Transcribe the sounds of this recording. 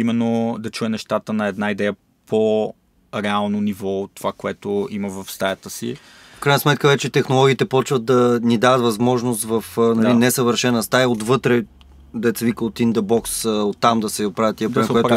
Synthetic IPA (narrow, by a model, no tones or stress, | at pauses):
imɛnːod̪ɐt͡ʃuɛnɛʃt̪at̪ənɐɛd̪naid̪ɛjə | pʰo | ɾɛalˠnonivɔot̪ːovakoɛt̪oiməvɐfst̪ajət̪əsḭ | fkɾajnəsmɛt̪̚kəvɛt͡ʃɛt̪ɛxnolˠɔɡiːt̪ɛpɔt͡ʃvət̪̚d̪ɐnid̪avət̪vɐzmɔʒnost̪vəfnɐlinɛsəvəɾʃɛnəst̪aiot̪vɤt̪ɾɛ | d̪ɛt̪sɛvikəot̪ind̪əbɔksot̪ːamd̪ɐsɛpɾavjət̪ːiɐpɾɛoɛt̪